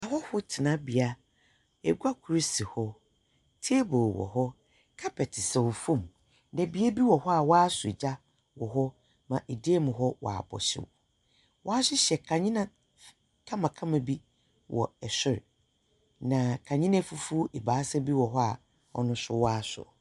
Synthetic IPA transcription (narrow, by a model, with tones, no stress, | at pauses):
a˨hɔ˦hʊ˦tʰɪ˨nã˦bi˨a˦ | ɛ˨ɡʷa˦kʰu˨ɾi˦si˨hɔ˦ | tʰe˦boː˨wɔ̰˨ɦɔ˦ | kʰa˦pʰɛ˨tʰɪ˨sɛ˨wʊ˨fũ˦˨m | nɛ˨bi˨˦e˦bi˦wɔ˨hɔ˦a˨waː˦sʊ˨d͡ʑa˦ | wɔ˨ɦɔ˦ | mã˨ʔe˨deː˦mʊ̃˨ɦɔ˦wa̰ː˨bɔ̰˨ɕɪ̰˦w̰ | wʔɔ˦a˦sɪ˦ɕɛ˨kʰã˨ɲɪ̃˦nã˨ | kʰã˦mã˨kʰã˦mã˨bi˦ | wʔɔ̰˨ɛ˨sɪ˦ɾ | nã˨kʰã˨ɲɪ̃˦nɛ̃˦fu˦fu˦ʔɛ˨baː˨˦sa˦bi˦wɔ˨ɦɔ˦a̰˨ | ɔ̰˦nʊ̃˦sʊ˦wa˦sʊ̰˨